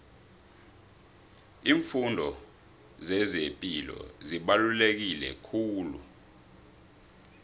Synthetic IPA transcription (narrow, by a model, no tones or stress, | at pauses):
iːɱfundʱɔ | zɛzepʼilɔ̰ziɓalulek̬ilɛ̰kʰuːlṵ